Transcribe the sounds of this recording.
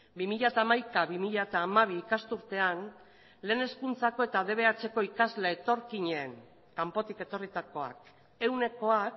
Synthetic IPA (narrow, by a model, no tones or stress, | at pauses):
bimiʎat̪aːmajkaβimiʎat̪aːmaβ̞iːkast̪uɾt̪e̞an | le̞ːne̞skunt͡sako̞e̞t̪aðe̞β̞e̞at͡se̞ko̞ikazle̞ːt̪o̞ɾkiɲeːŋ | kampo̞t̪ike̞t̪o̞rit̪ako̞a̰k | e̞wne̞ko̞ak